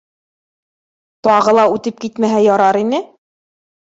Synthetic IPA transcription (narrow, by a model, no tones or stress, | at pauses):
t̪ɑʁɤ̆lˠɑʉt̪ɘp̚kit̪mæɦæjɑɾɑɾinɘ